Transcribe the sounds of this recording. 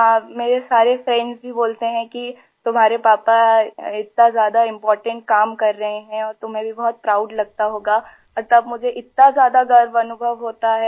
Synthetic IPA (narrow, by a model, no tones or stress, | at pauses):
ɦãːmeːɾesaːɾefɾɛ̃ɳɖzbʱiboːlt̪eɦɛ̃ki | t̪ʊmɦaːɾepaːpaɪt̪̚nazjaːd̪aɪ̃mpɔːɾʈə̃ɳʈ̚kaːmkɐɾːɐɦeɦɛ̃ɔːɾt̪ʊmɦẽbʱibɔɦʊt̪̚pɾaːʊɖlɐɡ̚t̪aɦoːɡaː | ɔɾt̪ɐbmʊd͡ʒʱeʔɪt̪̚nazjaːd̪aɡʱɐɾʋɐnʊbʱəʋɦoːt̪aɦɛː